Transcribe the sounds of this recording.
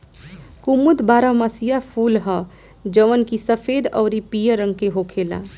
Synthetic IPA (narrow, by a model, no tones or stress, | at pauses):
kumud̪baːɾəmasijapʰulɦə | d͡ʒəʋənkisəpʰed̪ɔʊɾipijəɾəŋɡkeɦokʰela̰